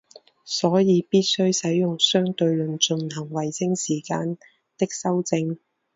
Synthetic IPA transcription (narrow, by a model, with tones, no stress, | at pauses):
sɔː˨˥jiː˨˧piː˥t̚sɵ˥ɥsɐ˨˥jjʊ˨ŋsœː˥ŋt̪ɵ˧ɥlɵ˨˩nt͡ʃɵ˧nhɐ˨˩ŋwɐ˨˩jsɪ˥ŋsiː˨˩kaː˧n | t̪ɪ˥k̚sɐ˥wt͡sɪ˧ŋ